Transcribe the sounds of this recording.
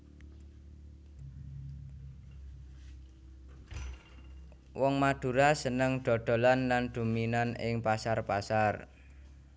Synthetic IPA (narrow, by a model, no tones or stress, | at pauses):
wɔŋmad̪̥ṳɾasənəŋɖ̪̥ɔ̤d̪̥o̤lanlanɖ̪̥ṳminanɪ̰ŋpasarpasar